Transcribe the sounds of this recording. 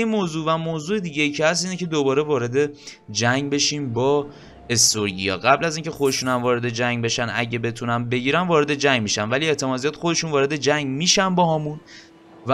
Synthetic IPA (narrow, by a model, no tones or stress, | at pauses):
imoːzuːvæmoːzuːed̪iːɟejiːcʰehæst̪iːnecʰe̞d̪obɒːɾe̞vɒːɾe̞d̪e̞ | d͡ʒæŋɟbe̞ʃiːmbɒː | e̞st̪oɾɟḭjɒ̰ːɣæblæziːncʰe̞xo̞d̪eʃunæmvɒːɾe̞d̪e̞d͡ʒæŋɟbe̞ʃænæ̰ɟe̞be̞t̪ʰunænbe̞ɟiːɾænvɒːɾe̞d̪e̞d͡ʒæɲɟmiːʃænvælie̞t̪ʰe̞mɒːzijɒːd̪̥xo̞d̪e̞ʃunvɒːɾe̞d̪e̞d͡ʒæŋɟmiːʃænbɒːɦɒːmun | v